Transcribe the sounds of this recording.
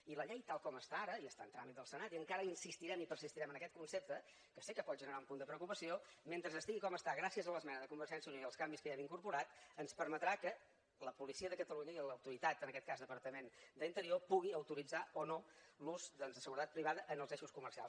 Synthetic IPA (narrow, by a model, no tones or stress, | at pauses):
iləʎejt̪alˠkɔməst̪aaɾəiəst̪aənt̪ɾamit̪d̪əlˠsənat̪iəŋkaɾəinsist̪iɾɛmipərsist̪iɾɛmənəkɛt̪̚kunsep̚t̪ə | kəsikəpɔt̪̚ʒənəɾaumpund̪əpɾəukupəsioment̪ɾəzəst̪iɣikɔməst̪aɣɾasiəzələzmɛnəðəkumbəɾʒɛnsjəunoiəlˠskambiskəɛmiŋkuɾpuɾat̪ənspəɾmət̪ɾakə | ləpulisiəðəkət̪əluɲəiləwt̪uɾit̪at̪ənəkɛt̪̚kazd̪əpəɾt̪əmend̪əint̪əɾiopuɣ̞iəwt̪uɾid͡zaonoluzd̪ɔnzðəsəɣuɾət̪at̪pɾiβaðəʔənəlˠzeʃuskumərsia̰lˠ